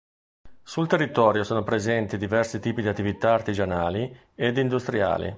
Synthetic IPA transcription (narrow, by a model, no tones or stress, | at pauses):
sult̪erːit̪ɔːɾjosoːnopɾezɛnt̪id̪ivɛrsit̪iːpid̪iat̪ːivit̪aːrt̪id͡ʒanaːli | ed̪ind̪ust̪ɾia̰ːlḭ